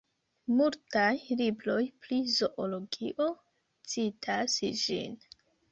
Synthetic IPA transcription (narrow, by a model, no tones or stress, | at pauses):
multajliblo̞jplizo̞ʔolo̞ɡiʔo̞ | t͡sitʰasd͡ʒḭn